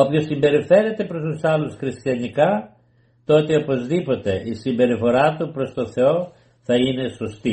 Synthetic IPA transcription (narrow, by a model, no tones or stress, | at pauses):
opçosːimbe̞ɾife̞ɾe̞t̪e̞pɾo̞st̪usɐlusxɾist̪jɐnikɐ | t̪o̞t̪eopo̞zðipo̞t̪e̞ʔisimbe̞ɾifo̞ɾɐt̪upɾo̞st̪o̞θe̞o̞ | θɐine̞so̞st̪i